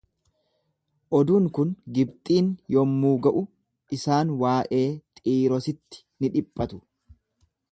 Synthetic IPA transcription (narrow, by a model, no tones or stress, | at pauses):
ʔɔd̪uːŋkʊnɡɪbt̪ʼiːnjɔmːuːɡɐʔʊ | ʔɪsaːnwaːʔe̞ːt̪ʼiːɾɔsɪt̪ːɪ̥nɪᶑɪpʼːɐt̪ʊ̥